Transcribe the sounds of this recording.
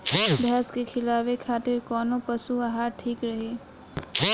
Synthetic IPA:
bʱɛːskekʰɪlaːwekʰaːt̪ɪɾkɔːnõpɐsuaɦaːɾʈʰiːkɾɐɦeː

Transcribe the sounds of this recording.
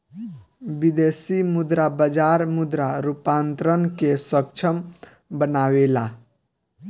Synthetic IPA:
bid̪esimud̪ɾabəd͡ʒaɾmud̪ɾaɾupant̪ɾənkesək̚t͡ʃʰəm | bənawela

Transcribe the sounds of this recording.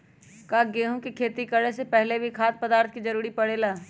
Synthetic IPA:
kaːɡeːɦõkikʰeːt̪ikəɽesepɛɦlebʱikʰaːt̪̚pəd̪aːɾt̪ʰkid͡ʒɐɾuːɾipɐɽeːlaː

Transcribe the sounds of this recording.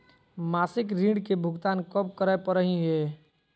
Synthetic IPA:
maːsɪkɾĩːɖkebʱʊɡt̪aːnkəp̚kəɾaepəɾəɦiɦɛː

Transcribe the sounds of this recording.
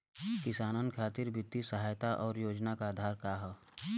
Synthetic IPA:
kɪsaːnənkʰaːt̪ɪɾbʊt̪ːisəɦaːjt̪aʔɔːɾjoːd͡ʒnakaːd̪ʱaːɾkaːɦ

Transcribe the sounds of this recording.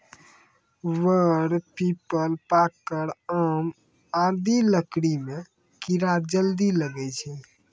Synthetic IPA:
ʋəɽpipəlpakːəɾaːm | ad̪iləkɽimẽ | kiɾaɾd͡ʒəld̪iləɡɛt͡ʃʰɛ

